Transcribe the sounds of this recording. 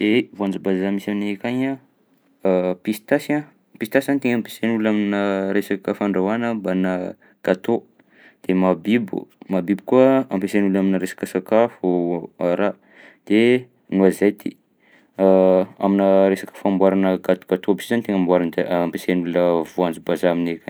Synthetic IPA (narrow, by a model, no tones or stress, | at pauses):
d̪̥evuand͡zabazamisanekaɲa | pist̪asa | pist̪asanit̪eŋampe̥senulaminəɾesakəfaɳɖ͡ʐawanəbana | ɡ̥at̪o | d̪̥emabibṵmabibu̥kuəampesenulaminəɾesḁkəsakafuaɾa | d̪̥e | nuazajt̪ḭ | a̰minəɾesḁkə̥fambwaɾanəɡat̪uɡ̥at̪obisizanit̪eŋambwaɾanəd̪eampesenuluəvuand͡zubazaaminekaɲ